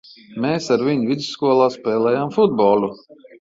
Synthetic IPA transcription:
meːsaɾvʲiɲvʲid̪zsːkuɔlˠaːspʲɛːlɛjaːmfud̪̚bɔːlˠu

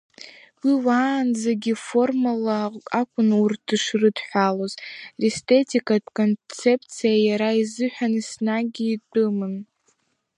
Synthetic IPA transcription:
wiwaːnzaɡʲifo̞rmalaakʷʰʼʊnurtʰɨʂrɨdħʷᶣalozrestʰʼe̞tʰikʼadkʼo̞nt͡sʰe̞pʰt͡sʰijajaɾaizɨħʷᶣanisnaɡʲiːtʼɨmɨn

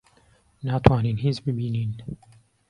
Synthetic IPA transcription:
naːt̪waːniːnɦiːzbɨbiːniːn

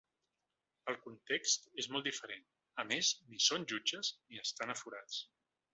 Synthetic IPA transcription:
əlˠkunt̪ekst̪ezmɔlˠd̪ifəɾen | əmeznisonʲʒud͡ʒəzniəst̪anəfuɾat͡s

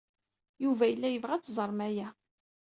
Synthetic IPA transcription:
juvæjəlːæjəvʁæt͡sːzˤəɾˤmæjæ

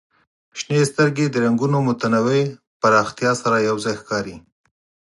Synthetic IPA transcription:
ʃnest̪əɾɡed̪əɾaŋɡunomʊt̪anawej | paɾɑxt̪jɑsaɾajawzɑjxkɑɾi

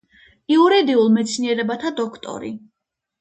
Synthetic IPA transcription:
iuɾid̪iulˠmɛt̪sʰniɛɾɛbat̪ʰad̪ɔkʰt̪ʼɔ̰ɾḭ

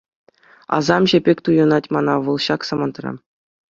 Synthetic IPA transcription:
ɑ̰zɑmʑĕbʲekʲt̪ujɤ̆nɑtʲmɑnɑʋɤ̆lˠɕɑksɑmɑnt̪rɑ̰

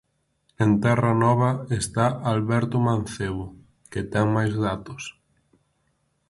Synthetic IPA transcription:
ent̪ɛrɐnɔβ̞ɐest̪aʔalβɛɾt̪ʊman̟θeβʊ | ket̪ɛŋmajzðat̪ʊs

